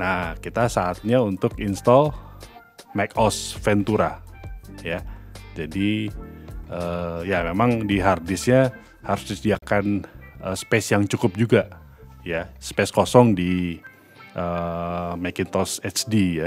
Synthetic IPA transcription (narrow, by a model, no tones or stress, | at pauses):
nahkit̪asaːt̪̚ɲaunt̪ʊkinst̪ɔl | mɛkɔsfɛnt̪uɾa | jad͡ʒadi | əjamemaŋdiɦardɪsɲa | haɾʊsdisdiakanəspɛsjaŋt͡ʃukʊp̚d͡ʒuɡa | jaspeskosɔŋdi | ʔəmakɪnt̪ɔsɛt͡ʃdija